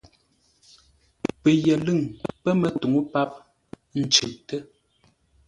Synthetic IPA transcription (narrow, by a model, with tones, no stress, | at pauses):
pə˨jɛ˨lɨ˦˨ŋpə˦mə˨tu˨ŋu˦pa˦p̚ | n̩˨t͡ʃʉ˨ʔtə˦